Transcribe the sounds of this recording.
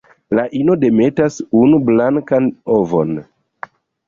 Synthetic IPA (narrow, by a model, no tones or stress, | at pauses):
laʔino̞de̞me̞tasunublaŋkanovo̰n